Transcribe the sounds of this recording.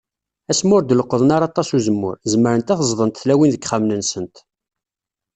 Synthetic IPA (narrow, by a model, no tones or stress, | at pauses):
æsmʊɾd̪ələqːəðˤnɑɾˤɑt̪ˤːɑsuzəmːʊ̰ɾzəməɾənt̪æθəzˤðˤənt̪θlæwinðəkχamnənsənt̪